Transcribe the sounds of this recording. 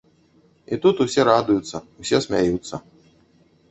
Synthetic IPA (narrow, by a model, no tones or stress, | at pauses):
it̪ut̪usʲɛɾad̪ujut̪sːɐusʲɛsʲmʲajut̪sːɐ